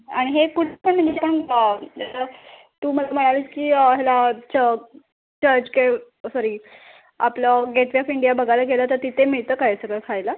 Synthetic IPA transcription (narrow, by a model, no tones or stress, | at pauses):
aɽ̃iɦekuʈʰepəɳm̤əɳd͡ʑepəɳəat̪a | t̪uːməlam̤əɽ̃aliskiːəɦelat͡ɕə | t͡ɕəɾd͡ʑke | sɔɾiː | apləɡeʈʋiɔfiɳɖijabəɡʱajlaɡelət̪əɾt̪it̪ʰemiɭt̪əːkaɦsəɡəɾkʰajla